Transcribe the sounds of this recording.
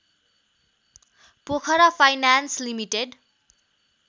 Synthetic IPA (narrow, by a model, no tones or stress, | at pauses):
pokʰʌɾʌpʰajnanslimiʈeɖ